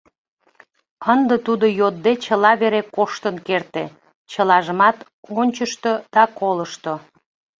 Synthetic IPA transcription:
ənd̪ət̪ud̪ojod̪ːet͡ɕəlɑβeɾekoʃt̪ənkert̪e | t͡ɕəlɑʒəmɑt̪ | onʲt͡ɕəʃt̪od̪̥ɑkoləʃt̪o

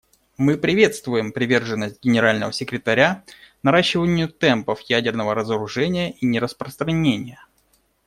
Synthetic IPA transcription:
mɨpɾʲɪvʲe̞t̪st̪vʊjɪmpɾʲɪvʲe̞rʐɨnːəsʲt̚ʲɡʲɪnʲɪɾalʲnəvəsʲɪkɾʲɪt̪ɐɾʲanɐɾaɕːɪvənʲɪjʊt̪ɛmpəfjædʲɪrnəvəɾəzəɾʊʐɛnʲɪjəʔinʲɪɾəspɾəst̪ɾɐnʲenʲɪjə

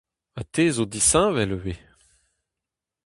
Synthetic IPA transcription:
at̪ʰezod̪isɛ̃vɛlwe

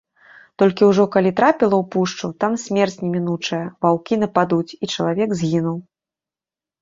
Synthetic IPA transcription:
t̪ɔlʲkʲiwʐɔkalʲit̪ɾapʲilˠɐwpuʂt͡ʂut̪amsʲmʲɛrt͡sʲnʲɛmʲinut͡ʂɐjɐvawkʲin̪ɐpad̪ut͡sʲit͡ʂɐlˠavʲɛɡzʲɣʲinuw

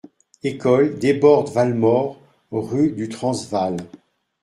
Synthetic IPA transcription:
ekɔld̪ebɔʁd̪valmɔʁ | ʁyd̪yt̪χɑ̃zval

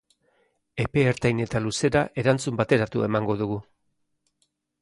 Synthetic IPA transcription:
e̞pe̞ːɾt̪ajne̞t̪aluse̞ɾaʔe̞ɾant͡sumbat̪e̞ɾat̪ue̞̰maŋɡo̞ðuɣu

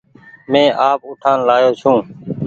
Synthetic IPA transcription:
mẽːʔaːpʊʈʰaːnlaːjoːt͡ʃʰũː

